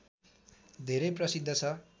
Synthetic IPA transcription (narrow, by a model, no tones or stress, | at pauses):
d̪ʱeɾʌjprʌsid̪ʱːʌt͡sʰʌ